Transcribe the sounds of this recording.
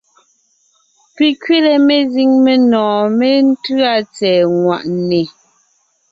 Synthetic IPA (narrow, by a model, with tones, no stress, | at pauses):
pi˨kɥe˦lɛ˨me˨zi˦ŋme˨nɔ̃ː˨me˦n̩˦tʉ˦a˦t͡sɛː˨ŋwa̰˨ʔne˨